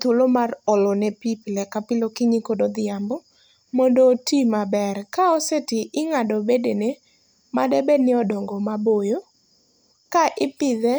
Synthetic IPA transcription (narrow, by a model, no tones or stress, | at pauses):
t̪olomarɔlɔnɛpiplɛkapɪlokɪɲɪkodod̪ɪambɔ | mɔndotimabɛrkaɔsetɪʔɪŋadɔbedene | madɛbɛnɪɔdɔŋɡɔmabojo | kaʔɪpɪd̪ɛ